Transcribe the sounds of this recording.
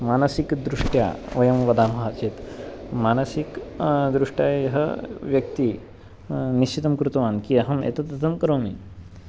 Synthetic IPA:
maːnɐsikd̪ɾuʂʈja̰ːʋɐjɐmʋɐd̪aːmɐɦaːt͡ʃeːt̪maːnɐsikd̪ɾuʂʈjaːjɐɦə̰ʋjɐk̚t̪i | niʃt͡ʃit̪ɐmkɾut̪ɐʋaːnkiɐɦɐmḛt̪ɐt̪ɐt̪ʰɐmkɐɾoːmi

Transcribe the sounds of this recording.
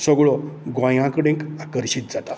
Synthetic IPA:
səɡɭɔɡʋãjãkəɽẽkakəɾɕit̪̚d͡zat̪a

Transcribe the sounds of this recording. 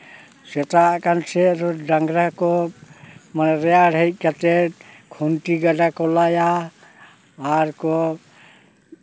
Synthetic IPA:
sɛt̪akansɛɾɔɖaŋɡɾakɔ | manɛɾɛjaɽɦɛjt̪̚ˀkat̪ɛ | kʰunʈiɡaɖakɔlaja | aɾkɔ

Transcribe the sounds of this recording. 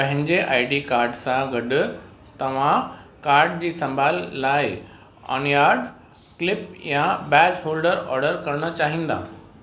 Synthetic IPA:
pɐ̃ɦɪ̃ɲd͡ʑeʔaːɪɖikaːɾɖsãɡɐɖ | t̪ɐʋ̤ãkaːɾɖd͡ʑiːsɐ̃mbʱaːlːaːɪ | a̰ːnjaːɖ | klɪpjãbɛːt͡ɕhoːlɖəɾɔ̰ːɾɖəɾkɐɾɽ̃ə̆t͡ɕaːɦĩːnd̪a̰ː

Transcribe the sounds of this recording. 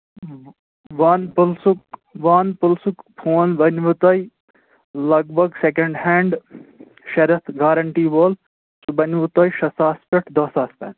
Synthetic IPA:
ʋɐnpulsukʋaːnpulsukpʰoːnbɐnʋut̪ɐj | lɐɡ̚bʱɐɡsekɐɳɖɦeːɳɖ | ʃɐɾɐt̪ʰɡaːɾɐɳʈiːboːl | subɐnʋut̪oːjʃɐsaːspʲeʈʰd̪ɐːsaːspʲɛ̰ːn

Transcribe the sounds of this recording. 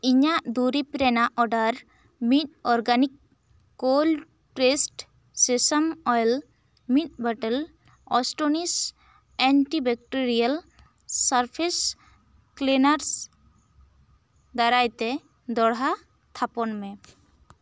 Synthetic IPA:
iɲaʔd̪uɾipɾɛnaʔɔɖaɾ | mit̪̚ɔɾɡanikː | ol | ʈɾesʈ | sisamɔjl | mit̪̚baʈəl | ɔsʈonis | ɛɳʈibɛk̚ʈeɾial | saɾpʰes | klenaɾs | d̪aɾajt̪ɛ | d̪ɔɽɦa | t̪ʰapɔnmɛ̃

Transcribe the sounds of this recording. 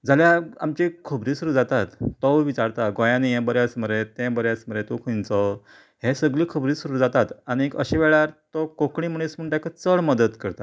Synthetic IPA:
d͡zaljaa̰mt͡ɕikʰəbɾiːsuɾuːd͡zat̪at̪ːɔʋʋit͡ɕaɾt̪aɡojãnijẽbəɾjasməɾet̪ẽbəɾjasməɾet̪ukʰənt͡sɔ | ɦesəɡliːkʰəbɾiːsuɾuːd͡zat̪at̪añiekə̰ɕeʋeɭaɾt̪ɔkokɳĩm̤əɳ̃ismuɳʈakat͡səɭməd̪ət̪kəɾt̪a

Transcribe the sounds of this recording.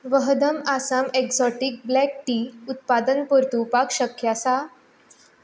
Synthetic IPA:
ʋəɦd̪əmasameksɔʈik̚blɛk̚ʈiːut̪̚pad̪ənpəɾt̪upakɕəkjasa

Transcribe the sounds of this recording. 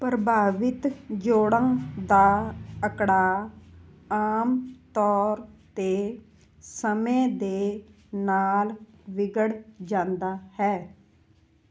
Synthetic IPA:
pɾəbʱaːʋɪt̪d͡ʒoːɽãːd̪aːəkɽaː | aːmt̪ɔːɾt̪eː | səmẽːd̪eː | naːl | ʋɪɡəɽd͡ʒãːnd̪aːhɛː

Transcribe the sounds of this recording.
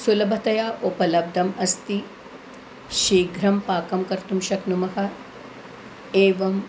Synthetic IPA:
sulɐbʱɐt̪ɐjaːʔopɐlɐb̚d̪ʱɐmɐst̪i | ʃeːɡʱɾɐmpaːkɐmkɐɾt̪umʃɐknumɐɦɐ̆ | eːʋɐm

